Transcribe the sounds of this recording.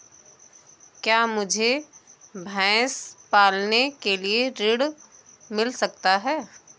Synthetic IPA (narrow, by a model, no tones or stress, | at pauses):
kjaːmʊd͡ʒʱe | bʱɛ̃ːspaːlnekelieɾɪɽ | mɪlsɐkt̪aɦɛː